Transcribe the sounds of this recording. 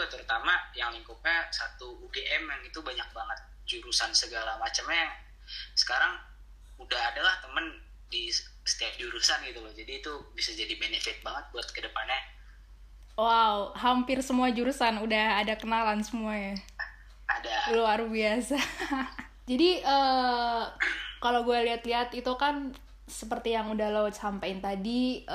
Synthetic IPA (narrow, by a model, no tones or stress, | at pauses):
t̪əɾut̪amajaŋliŋkut̚ɲasat̪uːɡeʔɛmɛmit̪ubaɲak̚laŋat̪̚d͡ʒuɾusansəɡalamat͡ʃəmaa | sə̥kaɾaŋ | udahadalaht̪əmən | di | sə̥t̪iap̪̚d͡ʒuɾusanɡit̪ulohd͡ʒadiːt̪ubisad͡ʒadibenefɪt̪̚baŋət̪̚buat̪̚kədəpanɲa | wauɦampɪrsəmuad͡ʒuɾusanudahadakənalansəmuaɲa | adaloaɾubiasa | d͡ʒadiʔə | kalowɡualiɦat̪liɦat̪it̪ukan | səpərt̪ijaŋudahlot͡ʃhampaɪnt̪adi